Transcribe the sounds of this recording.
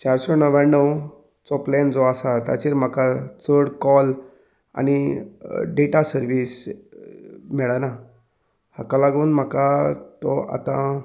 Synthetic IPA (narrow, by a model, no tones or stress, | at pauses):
t͡ɕaɾsɔnəʋãnəw | t͡sɔplɛnd͡zɔasat̪a̰t͡ɕiɾm̤akat͡səɽkɔl | a̰ñi | ɖeʈasəɾʋiːs | mɛɭana | hakalaɡuːnm̤əkat̪ɔa̰t̪ã